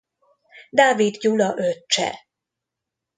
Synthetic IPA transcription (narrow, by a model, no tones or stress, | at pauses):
d̪aːvid̪julɒʔøt͡ʃːɛ̰